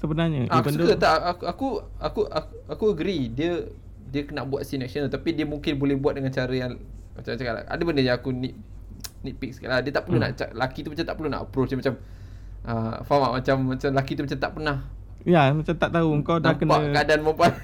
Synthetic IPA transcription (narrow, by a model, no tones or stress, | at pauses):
səbənaɲəasukət̪aʔakaku | akuak | akuəɡɾidiə | diəkənaʔbua̰t̪̚sinɛk̚sənəlt̪apidiəmuŋkɪnbolɛhbuat̪̚dəŋant͡ʃaɾəjaŋ | mat͡ʃamt͡ʃakala̰a̰dəbəndəjãakunit̪̚ | nit̪̚pik̚skaladiət̪aʔpərluna̰ʔt͡ʃa̰lakit̪umat͡ʃamt̪aʔpəɾluna̰ʔə̰pɾot͡ʃamat͡ʃam | ʔəfama̰ʔmat͡ʃamːat͡ʃamlakit̪̬umat͡ʃamt̪a̰ʔpənah | ijamat͡ʃamt̪aʔt̪auəŋkawdnakənaəadanməmpa